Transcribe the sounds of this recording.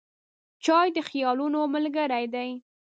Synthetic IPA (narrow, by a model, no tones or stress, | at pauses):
t͡ʃɑjd̪əxijɑlunoməlɡəɾajd̪aj